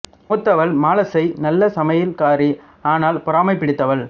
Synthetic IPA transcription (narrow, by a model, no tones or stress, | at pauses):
ʊt̪ːɐʋɐlmaːlɐsɐɪnɐlːɐsɐmɐjɪlkaːɾi | aːnaːlpʊɾaːmɐɪpːɪɽɪt̪ːɐʋɐɭ